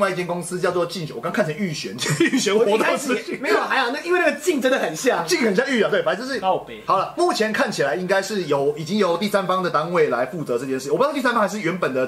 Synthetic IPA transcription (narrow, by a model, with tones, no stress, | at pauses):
ŋwa˥˧i˥˩t͡ɕjɛ˥˧nko˥ŋsɹ̩˦t͡ɕjɑ˥˧t͡swɔ˥˧t͡ɕi˥˧ŋ˨˩wkʰnt͡ɕʰa˧˦y˥˩ɕɥɛ˧˦ny˥˩ɕɥɛ˧˦nxwɔ˧˥t̪ʊs̩˥˧˥me˧˥ɪ˨˩ʔa˧˥ɪa˨n˥˩i˥nwe˥˧na˥˩ɡə˩t͡ɕi˥˩ŋʈ͡ʂə˥nd̪ə˨˩xə˨˩nɕja˥˨ŋt͡ɕi˥˧ŋxə˨˩nɕja˥˧ŋy˥˧˨t̪we˥˨˩fa˧˥sʂɻ̩˥˩˥phɑ˨˩ʊlə˦mu˥˩t͡ɕʰjɛ˧˦nkʰa˥˩nt͡ɕʰi˨˩la˨˦ɪi˦˥ŋka˥ɪʂɻ̩˥˩jo˨˩ʊi˨˩t͡ɕi˦ŋjo˧˥ʊt̪i˥˩sa˦nfɑ˥ŋd̪ə˨t̪a˦nwe˥˩ɪla˧˦ɪfu˥˩t͡sɤ˧˦ʈ͡ʂɤ˥˧t͡ɕjɛ˥˧ʂ̩˥˨˧sa˥nfɑ˥ŋxɪʂɻ̩˥˩ɥɛ˧˥npə˨˩nd̪ə˩